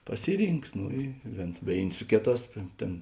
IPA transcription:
ˈpɑːsʲɪˌrʲiːŋks ˈnoː ɪ ʋʲeːn ˈʋʲeːɪnʲ ˈsʊ kʲeːˌtɑːs ˈtʲeːn

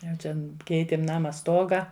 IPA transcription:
jɛʊ t͡ʃʲɛn ˈkʲɛɪtʲeːm ˈnɑːmɐ ˈstoːɡɐ

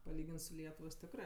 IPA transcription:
pɐˈlʲiːɡʲɪns sʊ ˈlʲiɛtʊʋoːs ˈtʲɪkrɜ

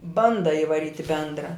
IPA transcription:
ˈbɐndɐ ɪʋɐˈrʲiːtʲ ɪ ˈbʲɛndrɐ

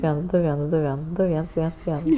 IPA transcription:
ˈʋʲiɛns ˈdʊ ˈʋʲiɛns ˈdʊ ˈʋʲiɛns ˈdʊ ˈʋʲiɛns ˈʋʲiɛns ˈʋʲiɛns

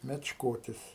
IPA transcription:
mʲɛt͡ʃˈkoːtʲɪs

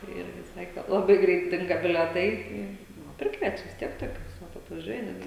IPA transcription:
ˈɪrʲɡʲɪ ˈsɑːkʲeː lˠɐˈbɐɪ ˈɡrʲɛɪt ˈdʲɪŋɡɐ bʲɪlʲɛˈtɐɪ ˈtɐɪ ˈnʊ ˈpʲrʲɪkʋʲiɛt͡ʃʲɛ ʋʲɪs ˈtʲiɛk toːˈkʲʊs ˈʋɐt ɐtʋɐˈʒʲuɔjɛ ˈnʲæːdʲɡʲɪ

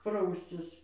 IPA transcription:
ˈprɐʊsʲt͡sʲɪs

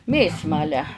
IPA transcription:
ˈmʲeːsmɐlʲæː

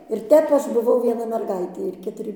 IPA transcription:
ɪr ˈtʲɛp ˈɐʃ bʊˈʋɐʊ ʋʲiɛˈnɐ mʲɛrˈɡɐɪtʲeː ɪr kʲɛtʊˈrʲɪ

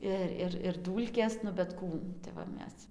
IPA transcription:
ˈɪr ˈɪr ɪr ˈduːlʲkʲeːs nʊ bʲɛt ˈkuː tɐɪ ʋɐ ˈmʲɛs

